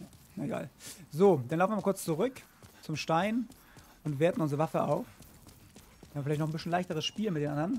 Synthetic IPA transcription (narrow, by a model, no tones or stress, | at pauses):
ja | jaeɡa̰ːlzoːd̥anaʊn̩vɪmakʰʊɐt͡st͡suʁʏk | t͡sʊmʃtaɪn | ʔʊntv̥eːɐtn̩ʔʊnzʁəvafəʔa̰ʊf | hamvəfɪlaɪçtnɔχn̩bɪsçn̩laɪçtəʁəsʃpiːlmɪtd̥eːnʔandɐn